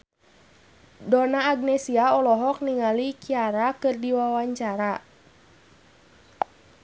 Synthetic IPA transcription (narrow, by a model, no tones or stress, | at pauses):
dɔnaːɡ̚nɛsiaɔlɔɦɔk̚niŋalikiaɾakɨrdiwawaɲt͡ʃaɾa